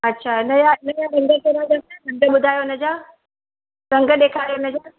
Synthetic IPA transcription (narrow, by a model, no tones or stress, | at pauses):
ɐtːɕʰaːɪnəjaɪnəjaɾɐ̃ŋɡekeɾãd͡ʑɐmãɾɐ̃ŋɡəɓʊd̪ʱaːjoɪnəd͡ʑaː | ɾɐ̃ŋɡə̆ɗeːkʰaːɾijoɪnəd͡ʑo